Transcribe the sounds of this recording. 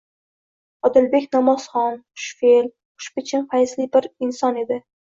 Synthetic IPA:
ɒd̪ɪlbe̞kʲnamɒsχɒnʊʃfel | ʊ̥ʃpɪt͡ʃʰɪnfajɪslibɪɾɪnsɒne̞d̪ɪ

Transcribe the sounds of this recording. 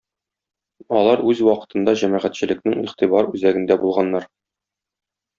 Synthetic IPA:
ɒlˠɑɾʉzwɒqɤ̥̆t̪ɤ̆nd̪ɑʑæmæʁæt̪ɕɘ̆lɘ̆knɘŋiχt̪ibɑɾʉzæɡɘ̆nd̪æbulˠʁɑnːɑɾ

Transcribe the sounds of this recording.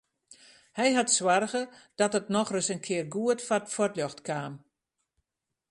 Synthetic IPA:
hɛjɦatswarɣəd̥ɔtətnɔxrəsənkʰɪərɡuətfatfɔtljɔxtkʰaːm

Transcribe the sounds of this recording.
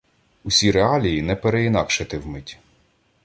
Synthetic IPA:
usʲiɾeɑlʲijinɛpeɾeinɑkʃet̪ɪwmɪtʲ

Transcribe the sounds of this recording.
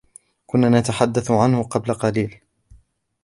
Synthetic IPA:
kʊnːaːnat̪aħad̪ːaθʊʕanhʊqɑblaqɑliːl

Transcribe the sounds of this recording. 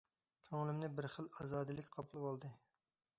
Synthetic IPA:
kʲʰøŋlɪmnɪbɪɾχəlˠɑzɑːd̪ɨlɪkʲqʰɑpʰulˠwɑlˠd̪ɨ

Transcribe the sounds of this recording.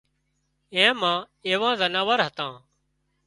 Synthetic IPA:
ẽːmãː | eːʋãːzənaːʋəɾɦət̪ãː

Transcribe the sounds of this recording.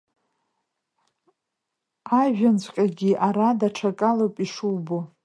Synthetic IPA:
aʒᶣant͡ɕʷʰʼqʲʼaɡʲiʔaɾadaʈ͡ʂʰakʼalopʼiʂuwbo

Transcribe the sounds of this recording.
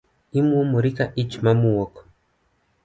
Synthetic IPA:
imumuɾikaʔit͡ʃmamuwɔkɔ̥

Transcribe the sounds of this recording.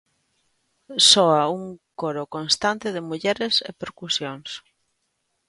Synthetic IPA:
sɔauŋkoɾokonst̪ant̪ɪðɪmuʎɛɾesḛpeɾkusjoŋs

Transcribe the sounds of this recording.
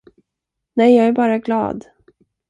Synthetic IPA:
nɛjjɑːɡæɾbɑːɾaɡlɑ̰ːd̪

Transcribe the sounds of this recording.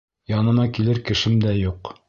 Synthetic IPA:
jɑnɤ̆mɑkilɘɾkɘ̆ʃɘmd̪æjuq

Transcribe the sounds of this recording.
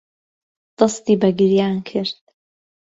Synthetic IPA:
d̪̥ɨst̪iːbɐɡɨɾjaːnkʰɨɾd̪̥̚

